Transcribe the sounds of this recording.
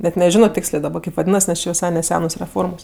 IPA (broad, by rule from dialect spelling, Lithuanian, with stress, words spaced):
bʲɛtʲ nʲɛˈʒʲæːnoː ˈtʲeːksʲlʲeː kʲeːp ʋɐˈdʲiːnɐs nʲɛs ˈt͡ʃʲeː ʋʲɪˈsɐɪ nʲɛˈsʲæːnoːs rʲɛˈfoːrmoːs